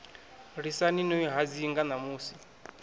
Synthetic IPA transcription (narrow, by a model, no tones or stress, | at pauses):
ɾisaninɔiɦad͡ziŋɡanamuːsi̥